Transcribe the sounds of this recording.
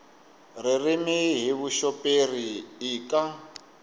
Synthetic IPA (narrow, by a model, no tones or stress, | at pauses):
ririmiɦiβuʃɔpʼeriːkʼa